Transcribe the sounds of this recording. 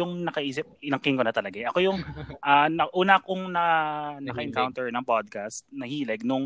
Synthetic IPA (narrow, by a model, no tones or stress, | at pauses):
ʊŋnɐkɐʔiːsɪp̚ɪnɐŋkɪŋkonɐt̪ɐlɐɡaɛʔɐko̞jʊŋʔaːnɐʔuːnɐkʊŋnɐnɐkɐʔɛŋkawnt̪ɛɹnɐŋpod̪̚kast̪̚nɐhiːlɛɡ̚nʊŋ